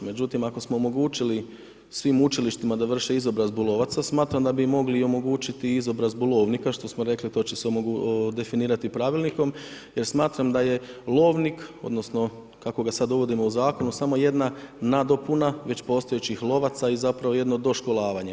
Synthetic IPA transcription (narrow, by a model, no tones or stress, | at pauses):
me̞d͡ʒut̪imako̞smo̞oːmo̞ɡuːt͡ʃili | sʋimut͡ʃiliʃt̪imad̪aʋr̩ʃeizo̞bɾazbulˠo̞ʋat̪sasmaːt̪ɾamd̪abimo̞ɡlio̞mo̞ɡuːt͡ʃit̪iizo̞bɾazbulˠo̞ʋnikaʃt̪o̞smoɾe̞klit̪o̞ːt͡ɕe̞seod̪e̞finiːɾat̪ipɾaʋilˠniko̞mje̞ɾsmaːt̪ɾamd̪aje̞lˠo̞ːʋniko̞̰d̪no̞sno̞ | kako̞ɡasad̪d̪o̞ʋo̞d̪imouzaːko̞nusamo̞je̞d̪nanad̪o̞punaʋe̞t͡ɕpo̞ːst̪ojet͡ɕixlˠo̞ʋat̪saizapɾaʋo̞je̞d̪no̞d̪o̞ʃko̞lˠaːʋaɲe̞